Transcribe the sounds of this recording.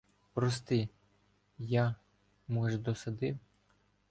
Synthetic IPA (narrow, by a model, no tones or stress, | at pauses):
pɾɔst̪ɪ | jɑ | mɔʒd̪ɔsɐd̪ɪw